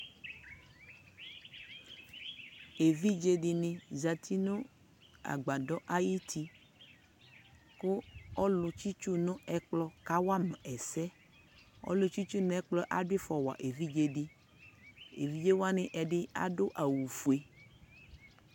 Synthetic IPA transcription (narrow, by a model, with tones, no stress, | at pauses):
e˨vi˦d͡ʒe˨ɖi˨nĩ˨za˨t̪ʰi˦nũ˦ | a̰˨ɡ͡ba˨dɔ˦ʔa˦ji˦t̪ʰi˦ | kʊ˦ɔ˦lʊ˨t͡ʃi˦t͡ʃu˦nʊ̃˦ɛ˦k͡plɔ˦ka˦wa˦mɛ˨ɛ˨sɛ˦ | ɔ̰˦lʊ˨t͡ʃi˦t͡ʃu˦n˦ɛ˦k͡plɔ˦ʔa˦ɖi˦fɔ˨wa̰˨ʔe˨vi˦d͡ʒe˨ɖi˦ | ḛ˨vi˦d͡ʒe˦wa˦nɪ̃˨ʔɛ˨ɖɪ˦a̰˦ɖo˦ʔa˨wu˨fu˨e˨